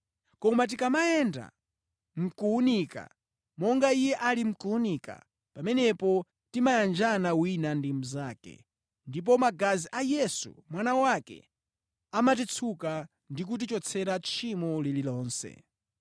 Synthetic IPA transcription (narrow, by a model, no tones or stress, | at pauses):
kɔmat̬ikamaɛnda̰ | m̩kuunika̰ | mɔŋɡaijɛʔalim̩kuunika̰ | pamɛnɛpɔ | timajand͡ʒanawinandim̩zaːkɛ̰ | ndip̬ɔmaɡaziʔajɛsṵmwanawakɛ̰ | amat̬it͡sʰuka | ndik̬ut̬it͡ʃɔt͡sʰɛɾat͡ʃʰimɔlililɔːnsɛ̰